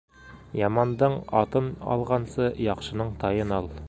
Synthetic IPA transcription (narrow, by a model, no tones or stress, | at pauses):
jɑmɑnd̪əɴɑt̪ənɑ̰lˠʁɑnsəjɑqʃənəɴt̪ʰɑjənɑlˠ